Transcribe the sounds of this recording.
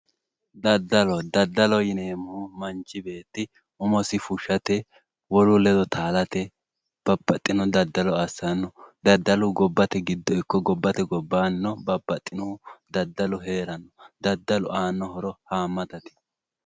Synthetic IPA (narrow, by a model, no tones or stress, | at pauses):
d̪ɐd̪ːɐlɔd̪ɐd̪ːɐlɔjɪneːmʊmɐnt͡ʃːɪbe̞ːt̪ːɪ | ʊmɔsɪfʊʃːɐt̪ɛ | wɔlʊlɛd̪ɔt̪ʰaːlɐt̪ɛ | b̥ɐbːɐt̪ʼːɪnɔd̪ɐd̪ːɐlɔɐsɐnːɔd̪ɐd̪ːɐlʊɡɔbːɐt̪ɛɡɪd̪ːɔɪkːɔɡɔbːɐt̪ɛɡɔbːaːnːɔbɐbːɐt̪ʼːɪnɔd̪ɐd̪ːɐlɔɦe̞ːɾɐnːɔd̪ɐd̪ːɐlɔaːnːɔhɔɾɔhaːmːɐt̪ɐt̪ɪ̥